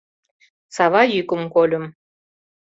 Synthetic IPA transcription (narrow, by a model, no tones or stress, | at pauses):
sɑβɑjykəmkolʲə̆m